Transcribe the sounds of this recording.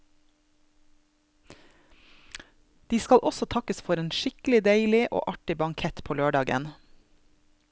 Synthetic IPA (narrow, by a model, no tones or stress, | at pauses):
d̪̥iːskɑlʔɔsɔt̪ʰɑkəsfɔɾeːnʃɪklɪd̪eɪlɪʔo̰ːʔɑʈɪbɑŋkʰɛt̪pʰoːløːɖɑːɡə̰n